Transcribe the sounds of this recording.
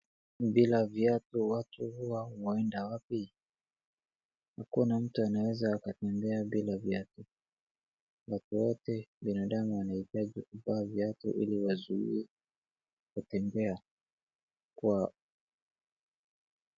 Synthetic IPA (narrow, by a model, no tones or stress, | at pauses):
bilavjatuwatuhuwawaɛndawapi | hakunam̩tuanawɛzaːkatɛmbɛaɓilavjatu | watuwɔtɛɓinaɗamuwanahitaʄikuvaːvjatṵʔḭliwazuḭɛ | kutɛmbɛa | kwa